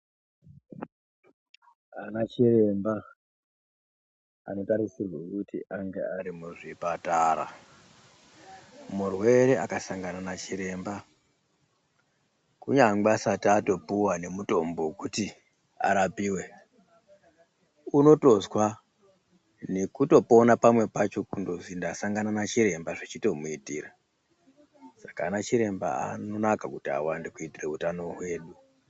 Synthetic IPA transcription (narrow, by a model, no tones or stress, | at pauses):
anat͡ʃire̞mba | a̰no̞taɾisirwokutḭʔaŋɡeaɾimuʐipataːɾa̰ | murwe̞ɾe̞ʔakasaŋɡananat͡ʃiɾe̞ːmba | kuɲaŋɡasatato̞puwane̞muto̞mbo̞kuti | a̰ɾapiːwe̞ | uno̞to̞zwa | ne̞kuto̞po̞napamwe̞pat͡ʃo̞kundo̞zindasaŋɡananat͡ʃiɾe̞mbaʐet͡ʃito̞muitira | sakaːnat͡ʃiɾe̞mba̰a̰no̞nakakutia̰wandekuitire̞utano̞ɦwe̞ːɗu